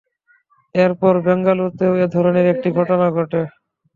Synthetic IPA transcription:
eɾpɔɾbɛŋɡaluɾt̪eoed̪ʱɔɾoneɾek̚ʈiɡʱɔʈonaɡʱɔʈe

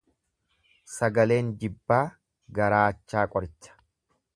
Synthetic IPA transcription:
sɐɡɐle̞ːnd͡ʒɪbːaː | ɡɐɾaːt͡ʃːaːkʼɔɾɪt͡ʃːɐ̥

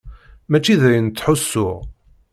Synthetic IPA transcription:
mæt͡ʃːiðæjənt̪ːħʊsːʊʁ

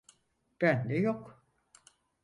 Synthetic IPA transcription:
b̥ændɛjok

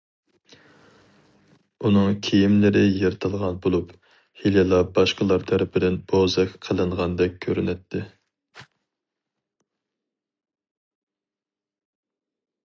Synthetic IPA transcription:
unɨŋkʲʰijimlɪɾɪjeɾt̪ʰɨlˠʁɑnbolˠup | hililˠɑbɑʃqəlˠɑɾt̪ʰæɾɪpʰɪd̪ɪnbʰozɛkʲqʰəlˠɨɴʁɑnd̪ɛk̚ʲkʲʰːøɾynɛt̪ʰːɪ

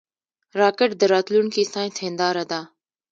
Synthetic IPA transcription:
ɾaːkəʈd̪əɾaːt̪lunkʰiːsãːĩːt̪ʰẽːnd̪aːɾəd̪aː

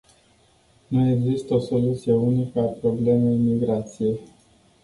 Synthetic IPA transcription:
nue̞ɡzist̪əo̞so̞lut̪sije̞unikəapɾo̞ble̞mejmiɡɾat̪sije̞j

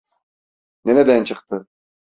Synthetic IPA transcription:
neɾɛd̪ænt͡ʃʰɯqt̪ʰɯ

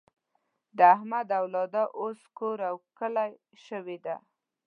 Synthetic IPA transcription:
d̪əahmad̪awlɑd̪aʔoskoɾawkəlaj | ʃəwed̪a̰

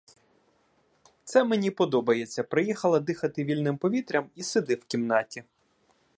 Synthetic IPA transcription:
t̪sɛmenʲipɔd̪ɔbɐjet͡sʲːɐpɾɪjixɐlˠɐd̪ɪxɐt̪ɪʋʲilʲnɪmpɔʋʲit̪ɾʲɐmised̪ɪwkʲimnɑtʲi

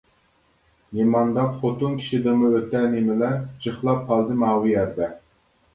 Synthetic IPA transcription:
nemɑnd̪ɑpχot̪unkʲʰi̥ʃid̪ɨmɨøt̪ɛnemɪlɛd͡ʒəχlˠɑp̚qʰɑlˠd̪ɨmɑːwɨjɛɾd̪ɛ

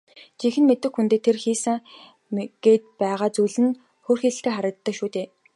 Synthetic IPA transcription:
t͡ɕixɘ̆nmet̪ɘ̆xxunt̪eːt̪ʰerxiːsɘ̆ŋ | ɡ̥eːt̪̚pæːʁaːt͡sujɮɘ̆n | xoːrxiɮɘ̆ɬt̪eːχæɾʲə̆t̪ːə̆kʃuːt̪eː

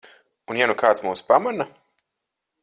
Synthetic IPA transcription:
unjanukaːt̪smuːspamana

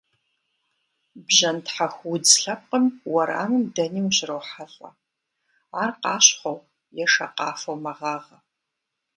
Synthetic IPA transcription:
bʑɐntħaxʷwʊd͡zɬɐp̚qʼəmwɐɾa̰ːmɨmdɐniːwʑɪrɐwħaɬʼɐ̰ | aːrqɑːɕχʷɐw | jɛʂɐqɑ̰ːfɐwmɐʁɑːʁɐ

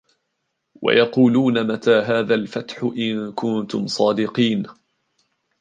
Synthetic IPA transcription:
wa̰jɑquːluːnamat̪aːɦaːðalfat̪ħʊʔɪnkʊnt̪ʊmsˤɑːd̪ɪqiːn

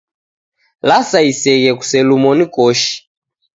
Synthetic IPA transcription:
lasaisɛɣɛku̥sɛlumɔnikɔʃi̥

